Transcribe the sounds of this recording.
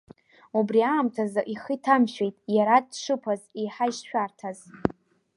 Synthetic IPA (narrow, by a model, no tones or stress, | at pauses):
ubriaːmtʰazaʔiχitʰamʃᶣe̞jtʼjaɾadʂɨpʰazejħaiʃʃᶣartʰaz